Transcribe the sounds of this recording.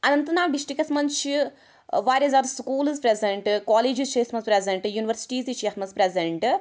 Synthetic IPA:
ɐnɐnt̪ɐnaːʋɖ̪iʃʈikɐsmɐnt͡ʃi | ʋaːɾʲezaːɾskuːlizpɾezeɳʈkaːleːd͡ʒizʃɐjsmɐzpɾezeɳʈjuːniʋɐɾsi̥ʈiːziʃjɐsmɐzpɾezeɳʈ

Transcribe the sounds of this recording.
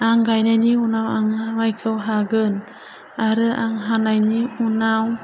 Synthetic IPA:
aŋɡajnajniunawaŋmajkʰəwɦaɡən | aɾɯʔaŋɦanajniunaw

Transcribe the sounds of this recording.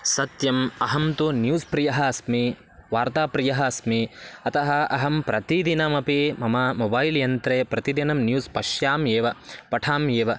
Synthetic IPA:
sɐt̪jɐmɐɦɐmt̪unjuːspɾijɐɦɐɐsmi | ʋaːɾt̪aːpɾijɐɦɐɐsmiɐt̪ɐɦɐɐɦɐmpɾɐt̪id̪inɐmɐpimɐmɐmobɐːjljɐnt̪ɾeːpɾɐt̪id̪inɐmnjuːspɐʃjaːmeːʋɐpɐʈʰaːmjeːʋɐ

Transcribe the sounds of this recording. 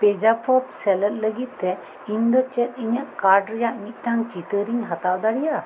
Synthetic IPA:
pɛd͡ʒapʰɔpsɛlət̪̚ləɡit̪̚ːɛ | iɲd̪ɔt͡ʃɛt̪̚iɲaʔkaɾɖɾɛjaʔmit̪̚ˀʈaŋt͡ʃit̪əɾiŋɦat̪awd̪aɽija

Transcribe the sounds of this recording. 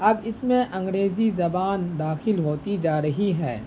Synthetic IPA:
ɐbɪsmẽʔɐ̃ŋɡɾeːzizɐbaːnd̪aːxɪlɦoːt̪id͡ʒaːɾɐɦiɦɛ̰ː

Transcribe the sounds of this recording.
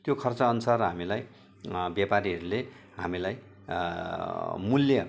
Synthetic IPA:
t̪jokʰʌrt͡sʌːnusarɦamilaj | bjapaɾiɦʌɾule | ɦamilaj | muljʌ

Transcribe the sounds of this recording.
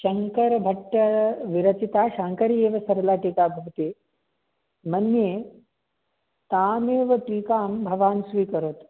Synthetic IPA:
ʃɐŋkɐɾɐbʱɐʈːɐʋiɾɐt͡ʃit̪aːʃaːŋkɐɾeːʋɐsɐɾɐlaːʈikaːbʱɐʋt̪iː | mɐnjeː | t̪aːmeːʋɐʈiːkaːmbʱɐʋaːnsʋiːkɐɾot̪

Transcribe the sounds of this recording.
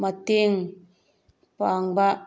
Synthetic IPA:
mat̪iŋ | paŋba

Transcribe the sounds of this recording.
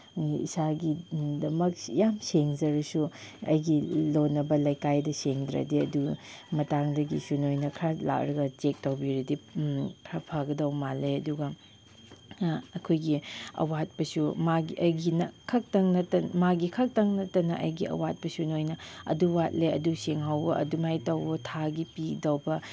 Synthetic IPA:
ḭsaɡidɐmɐk̚jamseŋzɐɾɐsuɐ̰jɡilonːɐbɐlɐjkajdɐseŋdɾɐ̰diɐdumɐtaŋdɐɡisunojnɐkʰɾala̰k̚ɾɐɡɐt͡ʃek̚tɐwbiɾidipʰɾɐpʰaɡɐdɐwmaleɐduɡɐ | ɐkʰojɡiɐ̰wat̚pɐsumaɡiɐɡinɐkʰɐk̚tɐŋnɐtɐmaɡikʰɐk̚tɐŋnɐtːɐnɐʔɐjɡiɐ̰wat̚pɐsunojnɐɐ̰duwat̚leɐ̰duseŋɦawbɐʔɐ̰dumajtɐwbɐtʰaɡipidɐwbɐ

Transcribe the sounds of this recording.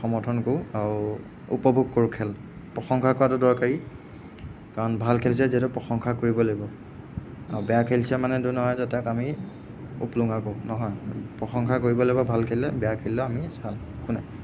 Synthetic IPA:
xɔmɔtʰɔnkoaɹu | ṵpɔbʱuɡ̚koɹukʰɛl | pɹɔxɔŋkʰakɔɹatʊdɔɹkaɹi | kaɹɔnbʱalkʰels̬ɛzitʊpɹɔxɔŋkʰakoɹibɔloɡibɔ | a̰ɹbɛjakʰelsamanɛdunɔɦɔjzatɛkami | ṵpluŋakonɔɦɔjpɹɔxɔŋkʰakoɹibɔloibɔbʱalkʰellɛbɛjakʰelːɔamisal | kunɛ

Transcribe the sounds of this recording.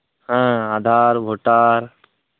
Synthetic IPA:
ɦə̃aːd̪ʱaːɾbʱoʈaːɾ

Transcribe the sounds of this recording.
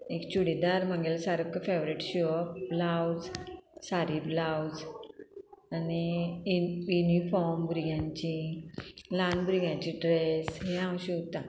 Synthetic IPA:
ekt͡ɕuɽid̪aɾmãŋɡelsaɾəkkːəfeʋɾiʈɕiʋəblawd͡zsaɾiblawd͡z | ani | junifɔɾmbɾiɡjãɲt͡ɕĩ | lanbɾiɡjãɲt͡ɕĩɖɾesɦeãw̃ɕiot̪ã

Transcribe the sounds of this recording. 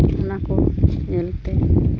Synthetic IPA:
nakonelt̪e

